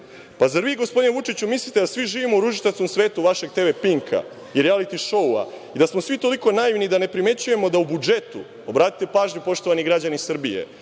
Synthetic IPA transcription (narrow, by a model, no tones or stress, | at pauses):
pazaɾʋiːɡospo̞d̪ineʋut͡ʃit͡ɕumislˠit̪e̞d̪asʋiʒiːʋimoɾuʒit̪askomsʋeːt̪uʋaʃe̞ɡ̚t̪e̞ʋe̞piŋkʰa̰ | iɾialit̪iʃo̞wa̰ | id̪asmosʋit̪o̞liko̞naiʋnid̪ane̞pɾime̞t͡ɕuje̞mo̞d̪aubud͡ʒe̞t̪u | o̞bɾaːt̪i̥t̪epaːʒɲupo̞ʃt̪o̞ʋaniɡɾad͡ʑanisr̩bije̞̰